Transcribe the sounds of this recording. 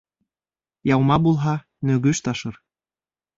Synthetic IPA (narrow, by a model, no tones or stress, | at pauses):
jɑwmɑbulˠɦɑ | nø̆ɡyʃt̪ɑʃɤ̆ɾ